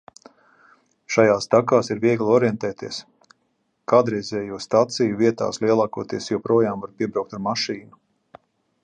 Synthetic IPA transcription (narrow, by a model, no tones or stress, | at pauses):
ʃajaːst̪akaːsiɾviɛɡlˠɔɾjɛnt̪ɛːt̪iɛs | kaːd̪ɾɛjzʲɛːjust̪at̪sijuviɛt̪a̰ːsliɛlˠaːkuɔt̪iɛsjɔpɾuɔjaːmvaɾpiɛbɾawk̚t̪aɾmaʃiːnu